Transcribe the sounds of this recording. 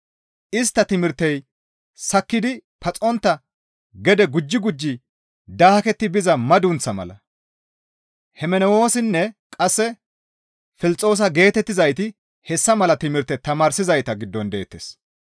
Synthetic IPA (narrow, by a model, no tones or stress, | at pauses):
ʔɪst̪ːɐt̪ɪmɪɾt̪ːɛj | sɐkːɪd̪ɪpɐt͡sʼɔnt̪ːɐ | ɡɛd̪ɛɡʊd͡ʒːɪɡʊd͡ʒːɪ | d̪aːhɐkɛt̪ːɪbɪzɐmɐd̪ʊnt͡sːɐmɐ̰lɐ̰ | hɛmɛnɛwo̞ːsɪnːɛkʼɐsːɛ | fɪlɪt͡sʼːo̞ːs̬ɐɡe̞ːt̪ɛt̪ːɪzɐjt̪ɪ | hɛsːɐmɐlɐt̪ɪmɪɾt̪ːɛt̪ɐmaːɾsɪzɐjt̪ɐɡɪd̪ːɔnd̪e̞ːt̪ːes